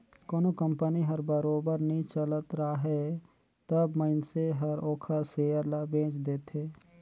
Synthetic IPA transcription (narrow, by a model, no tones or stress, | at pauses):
koːnokə̃mpəniɦɐɾbəɾoːbəɾnəĩt͡ʃələt̪ɾaɦɛ | t̪əbməɪnseɦɐɾoːkʰəɾseːjəɾlabẽːt͡ʃd̪eːt̪ʰeː